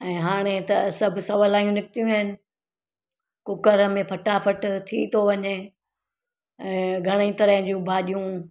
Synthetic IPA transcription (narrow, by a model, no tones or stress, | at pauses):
ɛ̃ːɦaːɽ̃et̪ɐsɐbʱʊsɐʋəlaːijũnɪkt̪ijũɦɪnɪ̆ | kʊkəɾə̆mẽpʰɐʈapʰɐʈt̪ʰit̪ʰoʋɐɲe | ɛ̃ːɡʱɐɽ̃əit̪ɐɾəɦɪ̃d͡ʑũbʱaːɗijũ